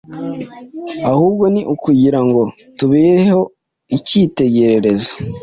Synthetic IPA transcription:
ahuːb̚ɡo̞niʔukuɟiɾaŋɡo̞ | tuβeːɾeho̞ | iciːte̞ɟe̞ɾe̞ɾe̞zo̥

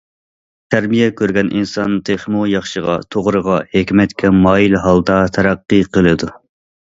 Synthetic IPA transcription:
t̪ʰæɾmijɛkʲʰøɾɡʲɛnʔinsɑnt̪ʰeχmujɑχʃəʁɑ̰t̪ʰoʁɾəʁɑhekʲmɛt̪kʲʰɛmɑːjilɦɑlˠd̪ɑt̪ʰɛɾæqːɨqʰəlˠɨd̪u

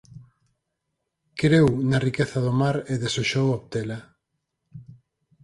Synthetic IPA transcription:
kɾewnarikeθɐðomaɾeðesoʃowop̚t̪ela

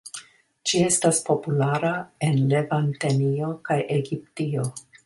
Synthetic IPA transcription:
d͡ʒie̞staspo̞pulaɾae̞nle̞vantenio̞kajʔe̞ɡiptio̞

